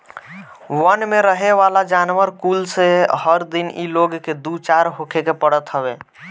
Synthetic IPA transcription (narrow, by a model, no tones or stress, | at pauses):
wənmeɾəɦeʋalad͡ʒanʋəɾkulsehəɾd̪inʔḭloɡked̪ut͡ʃaɾɦokʰekepəɽət̪ɦəbe